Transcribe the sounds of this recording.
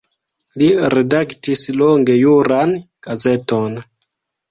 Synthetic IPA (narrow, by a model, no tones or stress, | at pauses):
liɾedaktisloŋɡe̞juɾan | ɡ̥aze̞ton